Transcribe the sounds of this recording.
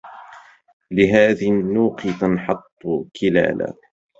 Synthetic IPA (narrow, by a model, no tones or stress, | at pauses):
lɪɦaːðnːuːqt̪ɑnħɑt̪ˤːʊkʰɪla̰ːla̰ː